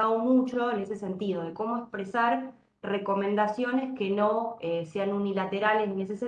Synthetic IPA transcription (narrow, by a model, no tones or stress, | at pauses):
aðomut͡ʃo̞ene̞sese̞nt̪iðoðe̞ko̞moekspɾesaɾ | reko̞mẽnd̪asjo̞ne̞ske̞noese̞anunilat̪eɾalesnies̬ese